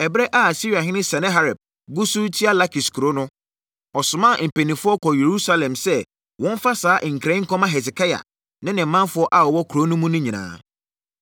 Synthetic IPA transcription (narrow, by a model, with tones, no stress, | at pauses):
ɛ˨bɾɛ˦ʔa˦a˨si˦ɾi˨a˨ɦɪ˦nɪ̃˦sɛ˨nɪ̃˦ɦa˦ɾɛ˨b̚ | ɡu˦su˦tʰi˦a˦la˦kʰi˨skʰu˨ɾo˦nʊ̃˦ | ɔ˨sʊ˨mã˦˨m̩˨pe˨nĩ˨fʊ˦ɔ˦kʰɔ˨je˨ɾu˦sa˦lɛ̃˨msɛ˦ | wɔ̃˦n˦fa˦saː˨˦ʔŋ̩˨kʰɾɛ̃˦ŋ̩˦kɔ̃˦mã˦ɦɛ˨s̬ɪ˨kʰa˦ja̰˨ | nɪ̃˦nɪ̃˨mːã˦nfʊ˦ɔ˦ʔa˨ɔ˨wɔ˦kʰɾo˦nʊ̃˦mũ˦nʊ̃˦ɲĩ˨nã̰ː˨